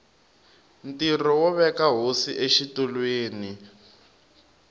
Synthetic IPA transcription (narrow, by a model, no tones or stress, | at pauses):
ntirɔwɔβɛkaɦosiʔeʃitulweːni